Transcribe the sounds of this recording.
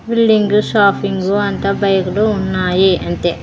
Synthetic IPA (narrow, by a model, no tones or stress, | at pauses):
bilɖiŋɡusaːpʰiŋɡuɐnt̪ɐbɐjɐkuluːnːaːjiɐnt̪e